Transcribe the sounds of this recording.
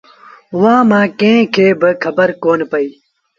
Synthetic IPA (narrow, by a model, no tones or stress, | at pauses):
uwãːmãːkẽkʰeːbəkʰɐbəɾkoːnpɐiː